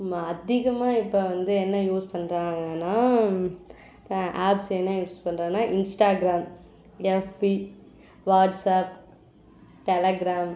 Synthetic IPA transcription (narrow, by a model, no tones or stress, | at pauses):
maɐd̪ɪɣɐmaːɪpːoʋɐnd̪ɯɛnːɐjuːspɐnɾãːɐːnaː | ʔaːpsɛnːɐjuːspɐɳːɾaːnaːʔɪnsʈaːɡɾaːm | ɛfpi | ʋaːʈsaːp̚ | ʈɛlɐɡɾaːm